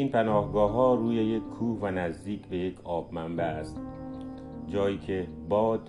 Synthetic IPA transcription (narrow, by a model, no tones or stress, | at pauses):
iːnpʰænɒːhɡɒːɦɒːɾuːjeje̞kʰːuːhvænæzd̪iːcʰbe̞jekʰɒːbmæmbææst̪̚ | d͡ʒɒːjiːkʰe̞bɒːd̪̥